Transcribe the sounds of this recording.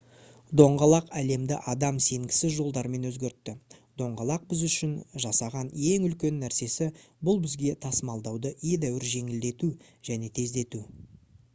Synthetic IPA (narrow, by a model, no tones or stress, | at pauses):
d̪o̞ɴʁɑlˠɑqæle̞md̪ɪ̰ʔɑd̪ɑmse̞ŋɡʲɪ̥sɪzʒo̞lˠd̪ɑɾme̞nwɵzɡʲe̞ɾt̪ːɪd̪̥o̞ɴʁɑlˠɑq̚bɪzʏʃɪnʒɑsɑʁɑne̞ŋʏlkʲe̞nːæɾse̞sɪbʊlˠbɪzɡʲe̞t̪ʰɑsəmɑlˠd̪ɑwd̪əʔje̞d̪æwɪɾʒe̞ŋɪld̪e̞t̪u | ʒ̥æne̞t̪ʰe̞zd̪e̞t̪u